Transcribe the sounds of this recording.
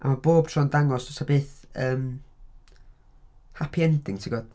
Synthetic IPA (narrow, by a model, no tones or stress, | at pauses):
ʔa̰maboːb̥̚tʰrɔndaŋɔsɔsabeːθəːm | hapʰiɛndɪŋtʰiɡɔd̥